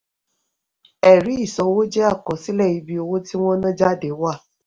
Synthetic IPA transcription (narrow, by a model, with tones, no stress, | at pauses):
ɛ˨ɾi˨˦i˦˨sɔ̃˨˦wo˦d͡ʒe˦a˦˨kɔ˨˦si˦lɛ˦˨i˧˦bi˦o˧wo˦ti˦w̃ɔ̃˦nã˦d͡ʒa˦˨de˨˦wa˦˨